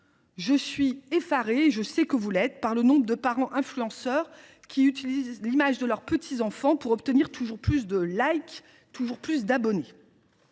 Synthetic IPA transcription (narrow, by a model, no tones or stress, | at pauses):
ʒəsɥiefaʁeːʒəsɛkəvulɛt̪paʁlənɔ̃bʁəd̪əpaʁɑ̃ʔɛ̃flyɑ̃sœːʁ | kʲiyt̪ilizlimaʒd̪əlœʁpət̪ʰizɑ̃fɑ̃puʁɔpt̪əniʁt̪ʰuʒuʁplys̬d̪əlajk | t̪uʒuʁplys̬d̪abɔne